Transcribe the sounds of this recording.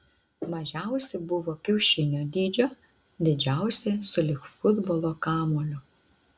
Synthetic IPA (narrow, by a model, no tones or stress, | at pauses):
mɐʒʲæˑʊsʲɪbʊʋoːkʲɛʊʃʲɪnʲoːd̪ʲiːd͡ʒʲoː | d̪ʲɪd͡ʒʲæˑʊsʲesʊlʲɪxfʊd̪boːlˠokɑːmoːlʲʊ